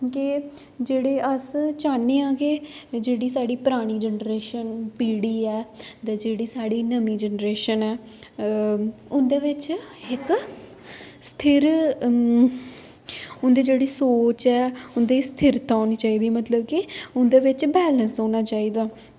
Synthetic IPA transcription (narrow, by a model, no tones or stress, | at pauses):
kɪ | d͡ʒeːɽeːʔəst͡ʃaːneːãːɡeːd͡ʒeːɽiːsaːɽiːpɾaːɽ̃iːd͡ʒənɾeːʃənpiːɽiːɛːt̪ɛːd͡ʒeːɽiːsaːɽiːnəmĩːd͡ʒənɾeːʃənɛː | ʊnd̪eːʋɪt͡ʃɪk | st̪ʰɪɾ | ʊnd̪eːd͡ʒeːɽiːsoːt͡ʃɛːʊnd̪eːst̪ʰɪɾt̪ãːɦoːniːt͡ʃaːiːd̪iːmət̪ləb̚kɪʊnd̪eːʋɪt͡ʃbɛːlənsɦoːñaːt͡ʃaːiːd̪aː